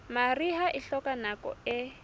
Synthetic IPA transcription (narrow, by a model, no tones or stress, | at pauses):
mariɦaʔiɬɔkanakɔ̰ɛ